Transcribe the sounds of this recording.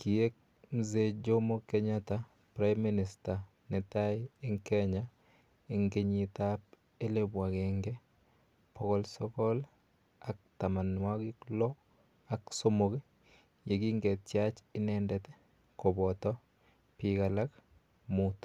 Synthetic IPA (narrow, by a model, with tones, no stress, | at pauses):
ki˨e˦k̚ | mze˦d͡ʒo˦mo˦ke˦ɲa˦ta˦ | pɾa˦jmːi˦nɪ˨sta˨ | nɛ˨ta˦ɪɪ˦ŋke˦ɲa˦ | e˨ŋɡe˦ɲitap̚ | e˦le˦bwa˨ɡeŋɡe˦ | pʰo˦kɔ˦lsɔ˦kɔ˦l | a˦k̚ta˨ma˨nwa˦ɡɪ˦klɔ˦ | a˦kso˦mo˨ke˦ | je˨ɡi˦ŋɡe˨tjat͡ʃɪ˦nɛndɛt̪ɛ˦ | ko˨bɔtɔ˦ | pika˨la˦k | mut